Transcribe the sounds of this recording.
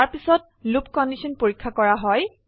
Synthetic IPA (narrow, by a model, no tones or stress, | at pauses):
aɹpisɔt̚ | lupkɔndisɔnpoɹikʰːakɔɹaɦɔj